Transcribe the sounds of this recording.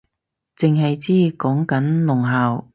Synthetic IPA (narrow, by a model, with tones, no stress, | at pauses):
t͡sɪ˨ŋɦɐ˨jt͡siː˥kɔː˨˥ŋkɐ˨˥nlʊ˨˩ŋɦaː˨w